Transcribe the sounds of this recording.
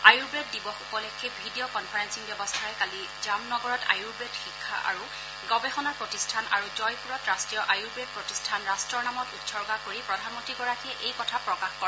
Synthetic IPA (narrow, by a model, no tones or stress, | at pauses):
ajuɹbɹed̚dibɔxukɔlɛkʰejbʱidiɔkɔnpʰaɹensiŋbjɔbɔstʰaɹɛkali | zamnɔɡɔɹɔta̰juɹbɹedxikʰːa̰ʔa̰ɹu | ɡɔbɛxɔnaɹpɹɔtistʰanaɹuzɔjpuɹɔtɹastɹijɔʔajuɹbɹed̚pɹɔtistʰanɹastɹɔɹnamɔtutsɔɹɡakoɹipɹɔdʱanmɔntɹiɡɔɹakiɛʔejkɔtʰapɹɔkaxkɔɹ